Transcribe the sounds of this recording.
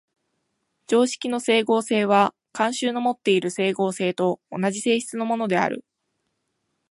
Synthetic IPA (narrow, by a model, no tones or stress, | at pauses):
d͡ʑo̞ːɕi̥kʲino̞se̞ːɡo̞ːse̞ːβ̞a | kãɰ̃ɕɨːno̞mo̞t̪ːe̞iɾɯ̟se̞ːɡo̞ːse̞ːt̪o̞ːnaʑise̞ːɕi̥t͡sɨno̞mo̞no̞d̪e̞a̰ɾɯ̟̰